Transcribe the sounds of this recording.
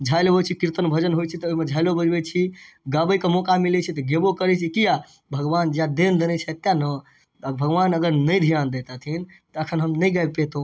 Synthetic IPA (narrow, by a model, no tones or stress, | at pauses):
d͡ʒʱaɪloɦot͡ʃʰikiɾt̪ənbʱəd͡ʒənɦojt͡ʃʰit̪ɔoimed͡ʒʱaɪlobəd͡ʒbɛt͡ʃʰi | ɡabəjkemɔkamilɛt͡ʃʰit̪ɔɡebokəɾɛt͡ʃʰikija | bʱəɡʋand͡ʒjad̪end̪enɛt͡ʃʰɛt̪ːjanə | t̪əbʱəɡʋanəɡəɾnəjd̪ʱijand̪et̪at̪ʰin | t̪əəkʰənɦəmnəjɡapet̪o